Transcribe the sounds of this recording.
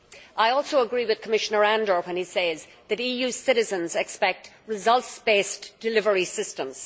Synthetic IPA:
ʔaɪɔlˠsoʊəɡɹiwɨð̥kʰəmɪʃənə˞æ̃ndə˞wə̃niseɪz | ðɨɾiːjʉsɪɾɨzə̃nzɛkspɛk̚t | ɹɪzʌlˠtsb̥esd̥ɨlɪvəɹisɪstə̃mz̥

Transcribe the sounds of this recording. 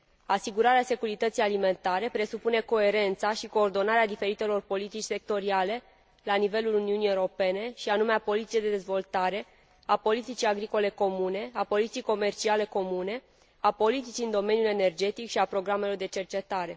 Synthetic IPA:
asiɡuɾaɾease̞kuɾit̪ət̪sijalime̞nt̪aɾe̞pɾe̞supune̞ko̞e̞ɾe̞nt̪saʃiko̞ːrd̪o̞naɾead̪ife̞ɾit̪elo̞rpo̞lit̪it͡ʃʲse̞k̚t̪o̞ɾiale̞ | lanive̞luluniunijewɾo̞pe̞ne̞ʃianumeapo̞lit̪sied̪e̞d̪e̞zvo̞lt̪aɾe̞ | apo̞lit̪it͡ʃijaɡɾiko̞le̞ko̞mune̞apo̞lit̪sijko̞me̞rt͡ʃiale̞ko̞mune̞ | apo̞lit̪it͡ʃiɨnd̪o̞me̞njule̞ne̞rd͡ʒe̞t̪ikʃiapɾo̞ɡɾame̞lo̞rd̪e̞t͡ʃe̞rt͡ʃe̞t̪aɾe̞

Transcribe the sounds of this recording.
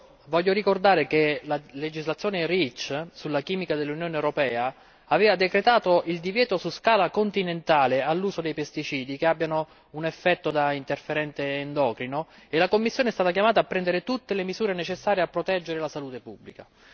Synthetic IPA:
vɔʎːoɾikord̪aːɾek̟elaled͡ʒizlat̪sjoːnerit͡ʃsulːakiːmikad̪elːunjoːnewɾopɛːaː | vɛːvad̪ekɾet̪aːt̪oild̪ivjɛːt̪osuskaːlakont̪inent̪aːlealːuːzod̪ejpest̪it͡ʃiːd̪ikeabːjano | unɛfːɛt̪ːod̪aint̪erfeɾɛnt̪eːnd̪ɔːkɾinoelakomːisːjoːneɛst̪at̪ak̬jamaːt̪aːpːɾɛnd̪eɾet̪ut̪ːelemizuːɾenet͡ʃesːaːɾjeapːɾot̪ɛd͡ʒːeɾelasaluːt̪epubːlika

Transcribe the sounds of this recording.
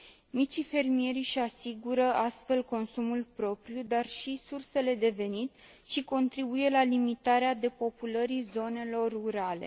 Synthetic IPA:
mit͡ʃife̞rmije̞ɾiʃasiɡuɾəast̪fe̞lko̞nsumulpɾo̞pɾijud̪arʃisurse̞le̞d̪e̞ve̞nit̪ | ʃiko̞nt̪ɾibuje̞lalimit̪aɾead̪e̞po̞puləɾizo̞ne̞lo̞rːuɾale̞̰

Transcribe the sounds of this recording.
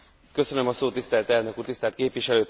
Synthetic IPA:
kø̞sø̞nømɒsoːt̪ːist̪ɛlt̪ɛlnøkuːrt̪ist̪ɛːlt̪keːpʋiʃɛløːt̪

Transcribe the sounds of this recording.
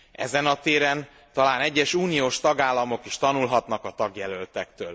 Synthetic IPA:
ɛ̰zɛnɒt̪eːɾɛn | t̪ɒlaːnɛɟːɛʃuːnijoːʃt̪ɒɡaːlːɒmo̞kiʃt̪ɒnulɦɒt̪nɒkɒt̪ɒɡjɛlølt̪ɛkt̪ø̰ːl

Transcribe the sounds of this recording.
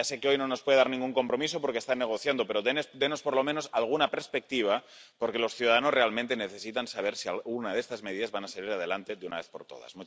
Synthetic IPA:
ase̞keo̞jnono̞spweðeaɾnĩŋɡuŋko̞mpɾo̞mis̬o̞po̞ɾkest̪anːeɣo̞θjand̪ope̞ɾoend̪enospoɾlo̞mẽno̞salɣ̞unapeɾspek̚t̪iβ̞a | po̞ɾke̞lo̞sθjuðaðano̞zre̞almẽnt̪eneθe̞sit̪ansaβ̞e̞ɾsialɣunaðest̪azme̞ðiðazβanasaliɾað̞e̞lant̪e̞ðuna̰βe̞θpo̞ɾt̪oða̰zmut͡ʃ

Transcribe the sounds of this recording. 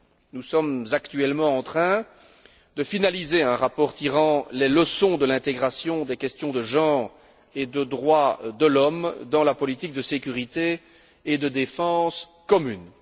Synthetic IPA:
nusɔmzakt̪yɛlmɑ̃ɑ̃t̪χɛ̃ | d̪əfinalizeɛ̃ʁapɔːʁt̪iʁɑ̃leləsɔ̃d̪əlɛ̃t̪eɡʁasjɔ̃d̪ɛkʲɛst̪jɔ̃d̪əʒɑ̃ːʁ | ed̪əd̪ʁwad̪əlɔmd̪ɑ̃lapɔlit̪ik̚d̪əsekʲyʁit̪eː | d̪əd̪efɑ̃skɔmyn

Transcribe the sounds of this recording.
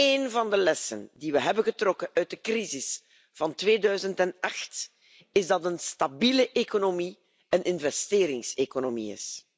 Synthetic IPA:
eːnvɑndəlɛsə̰ndiʋəɦɛbənɣətrɔkəʔœɥt̚dəkrizɪs | v̥ɑntʋeːdœɥzəntɛnɑxt | ɪzdɑtənstabiːləʔekonomi | ənʔɪnvɛsteːɾɪŋsekonomḭɪ̰s

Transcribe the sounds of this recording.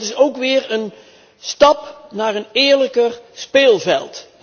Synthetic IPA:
tɪsowkʋɪːɹən | stɑpnaːrənɪːɹləkərspeːlˠvɛlˠt

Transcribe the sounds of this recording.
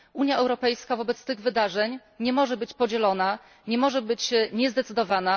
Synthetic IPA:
uɲjaɛwɾɔpɛjskavɔbɛt̪st̪ɘɣvɘd̪aʐɛɲ | ɲɛmɔʐɛbɘt͡ɕpɔd͡ʑɛlɔna | ɲɛmɔʐɛbɘt͡ɕɲɛzd̪ɛt̪sɘd̪ɔvana

